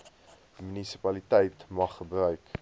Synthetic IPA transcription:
mynisi̥pɐlitɛjtmɐχːəbrœɥk

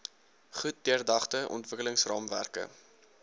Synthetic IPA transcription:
χut̚diərdɐχtəʔɔ̰ntvəkələŋsrɑːmvæ̰rkə̰

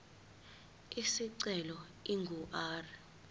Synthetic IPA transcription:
isiǀɛlɔ | iŋɡʱuʔaːrɛ

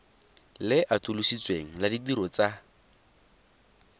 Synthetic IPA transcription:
lɪʔatulusit͡sweŋ̩ladidiɾɔt͡sa

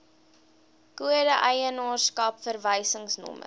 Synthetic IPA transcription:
kuədəʔəjənɑːrskɐpfərvəjsəŋsnɔ̰mə̰

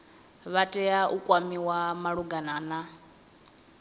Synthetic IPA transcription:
βatʼɛjaʔukʼwamiwamaɺuɡanaːna

